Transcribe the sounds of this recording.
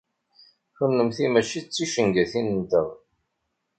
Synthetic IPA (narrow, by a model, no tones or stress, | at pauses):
θənːəmθimæt͡ʃit͡sːiʃəŋɡæθinənt̪əð